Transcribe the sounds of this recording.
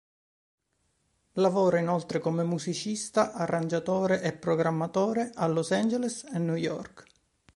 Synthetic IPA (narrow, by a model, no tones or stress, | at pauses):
lavoːɾainolt̪ɾekomemuzit͡ʃist̪aʔarːand͡ʒat̪oːɾeʔepːɾoɡɾamːat̪oːɾeʔalːosand͡ʒelesenːujɔ̰rk